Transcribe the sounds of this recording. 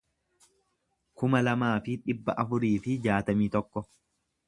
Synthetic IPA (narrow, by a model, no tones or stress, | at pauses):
kʊmɐlɐmaːfɪᶑɪbːɐ̰ʔɐfʊɾiːfɪd͡ʒaːt̪ɐmiːt̪ɔkːɔ